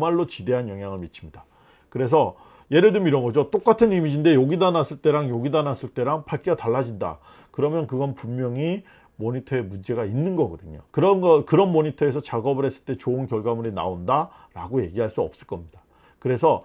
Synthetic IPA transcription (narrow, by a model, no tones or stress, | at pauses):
maɭːot͡ɕide̞ɦanjʌŋɦjaŋɯɭmit͡ɕʰi̥mɲida | kɯɾe̞sʰʌ | je̞ɾɯɭdɯmiɾʌnɡʌd͡ʑot͈ok͈atʰɯnimid͡ʑinde̞joɡidanas͈ɯɭt͈e̞ɾaŋjoɡidanas͈ɯɭt͈e̞ɾaŋpʰaɭkʰiɡataɭːad͡ʑinda̰ | kɯɾʌmjʌnkɯɡʌnpummːjʌŋi | moɲitʰʌe̞mund͡ʑe̞ɡainːɯnɡʌɡʌdɯɲo̰kɯɾʌnɡʌkɯɾʌnmoɲitʰʌe̞s̬ʰʌt͡ɕaɡʌbɯɾɦe̞s͈ɯ̥ɭt͈e̞t͡ɕoɯnkjʌɭɡamuɾina̰onda | ɾa̰ɡoje̞ɡiɦaɭs͈uʌp̚s͈ɯɭk͈ʌmɲid̥a | kɯɾe̞sʰʌ